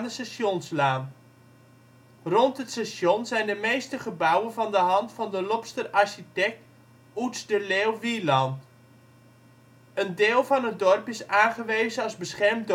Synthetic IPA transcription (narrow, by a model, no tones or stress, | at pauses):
dəsasonslaːn | rontɦətsasjonzɛjndəmejstəχəbawənvɑndəɦɑntfɑndəlɔpstəraɹɕitɛk̚t | utzdəleːwʋilɑnt | əndeːlˠvɑnɦət̚dɔrpɪsaːnχəʋeːzəɑzbəsχɛrmd